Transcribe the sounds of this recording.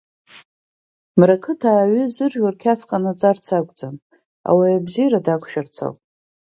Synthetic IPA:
mrakʰɨtʰaːɥʏzɨrʒʷarkʲʰafqʼanat͡sʼart͡sʰaɡʷd͡zam | a̰wajabzijradakʷʰʃᶣart͡sʰa̰ltʼ

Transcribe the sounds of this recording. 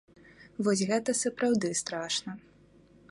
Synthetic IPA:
vɔsʲɣɛt̪ɐsɐpɾawd̪ɨst̪ɾaʂnɐ

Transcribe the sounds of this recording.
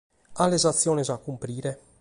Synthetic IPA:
alːɛzat̪sːjɔːnɛzakːumpɾiːɾɛ

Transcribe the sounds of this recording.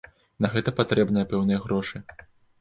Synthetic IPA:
nɐɣɛt̪ɐpat̪ɾɛbnɨjɐpɛwnɨjɐɣɾɔʂɨ

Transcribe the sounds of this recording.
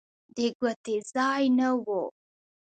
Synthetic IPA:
deɡuətezajnəwwo

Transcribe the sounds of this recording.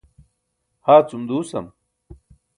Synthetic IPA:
haːt͡sumd̪uːsɐm

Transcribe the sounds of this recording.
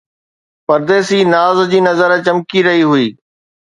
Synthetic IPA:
pɐɾd̪eːsiːnaːzd͡ʑiːnɐzəɾt͡ɕɐmkiɾɐɦiɦʊiː

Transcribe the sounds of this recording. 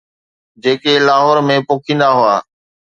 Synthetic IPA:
d͡ʑeːkelaːɦɔːɾmẽpoːkʰĩːn̆d̪aɦʊaː

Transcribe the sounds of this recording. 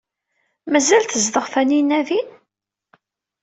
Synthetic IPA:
mæzælt̪əzðəʁfæninævin

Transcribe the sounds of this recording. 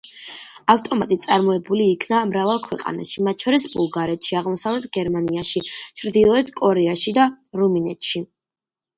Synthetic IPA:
aft̪ʼɔmat̪ʼit̪sʼaɾmɔɛbuliːkʰnamɾavalˠkʰwɛqʼa̰na̰ʃimat̪̚t͡ʃʰɔɾisbulˠɡaɾɛt̪ʃiaʁmɔsavlɛt̪ʰɡɛɾmaniaʃit͡ʃʰɾd̪ilˠɔɛt̪ʰkʼɔɾɛaʃid̪aɾuminɛt̪ʃi

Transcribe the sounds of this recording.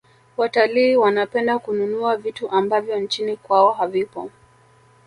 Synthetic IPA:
wataliːwanapɛndakununuavituʔambavjɔnt͡ʃinikwaɔɦavipɔ̰

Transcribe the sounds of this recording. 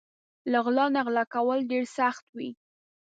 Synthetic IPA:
laɣlɑnaɣlɑkawəlɖeɾsaxt̪wi

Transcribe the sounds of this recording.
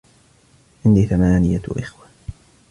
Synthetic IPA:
ʔɪnd̪iːθamaːnɪjaʔɪxwa

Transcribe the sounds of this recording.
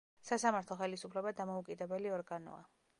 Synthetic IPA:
sasamaɾt̪ʰlˠɔχɛlisupʰlɛbad̪amɔukʼid̪ɛbɛliɔɾɡanɔ̰a̰

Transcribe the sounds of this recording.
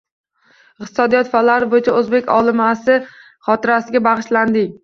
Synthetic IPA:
ɪqt̪ɪ̥sɒd̪ijɒt̪falaɾɪbojɪt͡ʃʰaɵzbe̞kʲɒ̰lˠɪmasɪ | χɒt̪ʰɪɾasɪɡʲabɑʁɨʃland̪ɪŋ

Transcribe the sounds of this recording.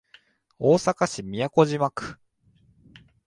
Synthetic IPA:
o̞ːsakaɕimʲijako̞ʑimakɯ̥

